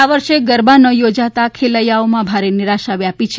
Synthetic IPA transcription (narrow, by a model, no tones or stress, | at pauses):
aʋəɾʃeɡəɾbanəjod͡ʒat̪akʰeləjaomãbʱaɾenɪɾaʃaʋjapit͡ʃʰe